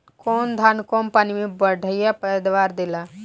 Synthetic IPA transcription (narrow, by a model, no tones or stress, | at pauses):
kɔːnd̪ʱaːnkɔːnpaːnimẽbəɽʱəjapəəd̪ʋaːɾd̪ɪlaː